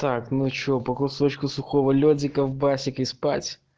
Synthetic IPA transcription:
t̪aknut͡ɕopɐkʊsot͡ɕkʊsʊxovəlʲodʲɪkəvbasʲɪkɪspatʲ

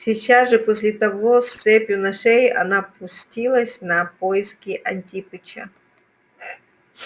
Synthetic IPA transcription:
sʲit͡ɕasʐɨposʲlʲɪt̪ɐvost̪sɛpʲjʊnɐʂɛjʔɐ̰napʊsʲtʲilˠəsʲnɐpoɪskʲɪʔɐnʲtʲipɨt͡ʃɐ̰

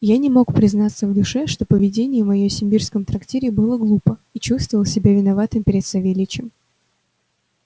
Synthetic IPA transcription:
janʲɪmo̞kpɾʲɪznat̪sːəvd̪ʊʂɛʂt̪o̞pəvʲɪdʲenʲɪjəvmɐjosʲɪmʲbʲirskəmt̪ɾɐktʲeɾʲɪbɨlˠəɡlˠupəit͡ɕust̪vəvəlˠsʲɪbʲavʲɪnɐvat̪ɨmpʲɪɾʲɪt̪sɐvʲelʲɪt͡ɕɪm

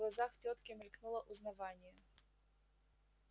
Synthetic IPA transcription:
lˠɐzɑxtʲɔt̪kʲɪmilʲknulˠɐʔuznɐʋɑnʲjɐ

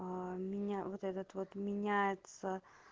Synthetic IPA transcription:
miɲaɔt̪ɛt̪ət̪vɔt̪miɲaɛt̪sə

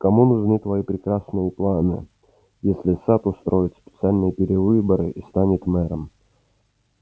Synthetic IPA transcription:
kɐmunʊʐnɨt̪vɐipɾʲɪkɾasnɨjəplˠanɨ̰ | jesʲlʲɪsat̪ʊst̪ɾojɪt̪spʲɪt̪sɨalʲnɨjəpʲɪɾʲɪvɨbəɾɨʔist̪anʲɪt̪mɛɾəm

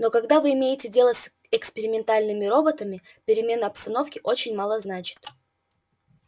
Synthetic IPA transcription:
nokɐɡd̪avɨɪmʲejɪtʲɪdʲe̞lˠəs | ɛkspʲɪɾʲɪmʲɪnt̪alʲnɨmʲɪɾo̞bət̪əmʲɪ | pʲɪɾʲɪmʲe̞nəɐpst̪ɐno̞fkʲɪʔo̞t͡ɕɪnʲmalˠəznat͡ɕɪ̥t̪

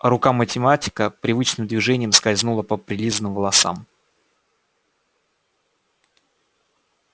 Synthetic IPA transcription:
rʊkamətʲɪmatʲɪ̥kəpɾʲɪvɨt͡ɕnɨmd̪vʲɪʐɛnʲɪjəmskɐzʲnulˠəpəpɾʲɪlʲizənɨmvəlˠɐsa̰m

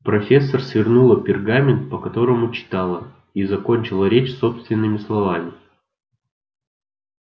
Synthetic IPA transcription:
pɾɐfʲe̞sːərsvʲɪrnulˠəpʲɪrɡamʲɪnt̪̚pəkɐt̪o̞ɾəmʊt͡ɕɪ̥t̪alˠə | izɐko̞nʲt͡ɕɪlˠəɾʲet͡ɕso̞pst̪vʲɪnːɨmʲɪslˠɐvamʲɪ

